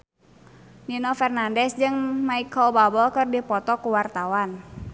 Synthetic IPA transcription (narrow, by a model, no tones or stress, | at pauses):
ninɔfɛrnandɛsd͡ʒɨŋmaikɔlbabɔlkɨrdipɔt̪ɔkuwart̪awan